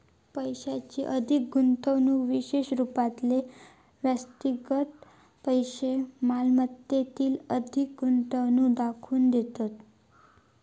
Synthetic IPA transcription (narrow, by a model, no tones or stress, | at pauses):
pəjɕat͡ɕiʔəd̪ʱik̚ɡunt̪əʋnũːʋiɕeɕɾupat̪le | ʋjəst̪iɡət̪ | pəjɕemalmət̪jet̪iːləd̪ʱik̚ɡunt̪əwnuːd̪akʰuːnd̪et̪at̪